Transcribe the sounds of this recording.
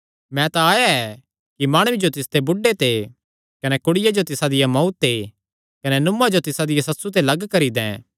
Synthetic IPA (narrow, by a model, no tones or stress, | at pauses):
mɛ̃t̪aːjaɛ | kimaːɽ̃ʊid͡ʒot̪ɪst̪ebʊɖet̪e | kɐnɛkʊɽɪjad͡ʒot̪ɪsad̪ɪjamɐut̪ːe | kɐnɛnʊmːad͡ʒot̪ɪsad̪ɪjasɐtsut̪̬elɐɡkɐɾid̪ɛ̰̃ː